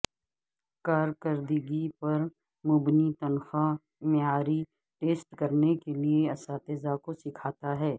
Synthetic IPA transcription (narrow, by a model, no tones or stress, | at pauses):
kaːɾkəɾd̪ɪɡipɐɾ | mʊbnit̪ɐnxa | meaːɾi | ʈeːsʈkɐɾnekelieɐsaːt̪ezakosɪkʰaːt̪aɦɛː